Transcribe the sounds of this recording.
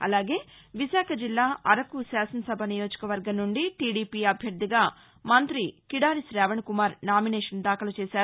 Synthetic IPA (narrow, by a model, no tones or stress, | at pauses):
ɐ̰laːɡe̞ː | ʋisaːkʰɐd͡ʒilːaːʔɐɾɐkusaːsɐnɐsɐbʱɐnijo̞ːd͡ʒɐ̥kɐʋɐɾɡɐmnnuɳɖiʈiːɽiːpiːɐbʱjɐɾd̪iɡaː | mɐnt̪ɾikiɽaːɾisɾɛːʋɐɳkumaːɾnaːminɛːʂɐnd̪aːkɐlɐt͡ʃeːsaːɾu